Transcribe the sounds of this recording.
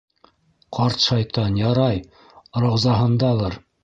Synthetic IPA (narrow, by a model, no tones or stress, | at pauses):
qʰɑɾt̪ʃɑjt̪ɑnjɑɾɑj | ɾɤ̆wzɑɦɤ̆nd̪ɑlˠɤɾ